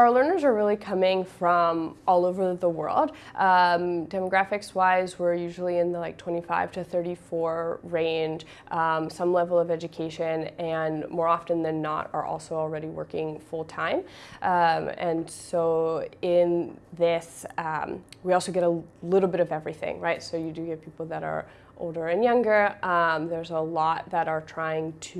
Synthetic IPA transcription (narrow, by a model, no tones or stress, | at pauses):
aʊə˞lɜ̃˞nə˞zə˞ɹɪlˠikʰʌmɪ̃ŋfɹʌ̃mʔɔlˠoʊvə˞ðəwɜ̰˞lˠd̥̚ʔʌ̃md̥ɛməɡɹæfɨkswaɪzwɪɹjʉʒl̩ˠiɨ̃nðəlaɪk̚tʰw̥ɛ̃ɾ̃ifaɪv̥tʰɨθɜ˞ɾifɔɹɹẽɪ̃nʒ̥ | ʔʌ̃msʌ̃mlɛvl̩ˠʌvɛd͡ʒɨkʰeɪʃɨ̃nɨ̃nmɔɹɑfɨ̃nðɨ̃nːə̰ɾə̰˞ʔɔ̰lˠsoʊl̩ˠɹɛɾiwɜ̰˞kɪ̃ŋfʊlˠtʰãɪ̃mʔʌ̃mɨ̰̃nsoʊɪ̃nðɪsʌ̃mwiɔlˠsoʊɡɛɾəlɪɾl̩ˠbɪɾʌvɛvɹiθɪ̰̃ŋɹaɪtsoʊjɨdɨɡɛt̚pʰipl̩ˠðɨɾə̰˞ | ʔo̰ʊlˠdə˞ɨ̃njʌ̃ŋɡə˞ʔʌ̃mðə˞zəlɔt̪̚ðɨɾə˞tʰɹ̥aɪɪ̃ŋtʰ